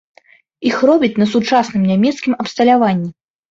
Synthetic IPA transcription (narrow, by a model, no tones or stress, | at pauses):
ixrɔbʲit͡sʲnɐsut͡ʂasnɨmnʲamʲɛt̪skʲimɐpst̪ɐlʲavanʲːi